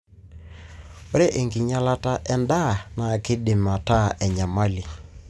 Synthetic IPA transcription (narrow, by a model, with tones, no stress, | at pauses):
o˦ɾe˦ʔe˨ŋɡi˨ɲa˦la˦ta˦ʔɛ˦nda˦˨na˨kɪ˦dɪ˨ma˨ta˦ʔɛ˨ɲa˨ma˦li˨